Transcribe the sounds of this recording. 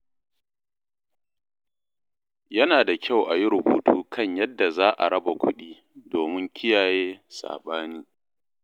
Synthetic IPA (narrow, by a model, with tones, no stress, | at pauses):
jɐ˦naː˨da˨kʲa˦˨wʔa˨ji˦ɾʊ˨bṵː˨tʰuː˦kʰɐ˦˨ɲjɐ˦dːa˨zaː˦ʔa̰˨ɽɐ˦ba˨kʷʊ˦ɗiː˦ | doː˨mɪ˦ŋkʲɪ˦jaː˨jeː˦sa̰ː˨ɓaː˦niː˦